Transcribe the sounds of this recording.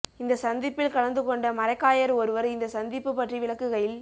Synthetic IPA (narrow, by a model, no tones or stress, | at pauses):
ɪnd̪ɐsɐnd̪ɪpːɪlkɐɭɐnd̪ɯkɔɳɖɐmɐɾɐɪkːaːjɐɾɔɾɯʋɐɾɪnd̪ɐsɐnd̪ɪpːɯpːɐʈriʋɪɭɐkːɯɣɐɭɪl